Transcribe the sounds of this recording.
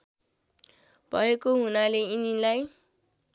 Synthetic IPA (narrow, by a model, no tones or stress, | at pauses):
bʱʌekoɦunaleinilaj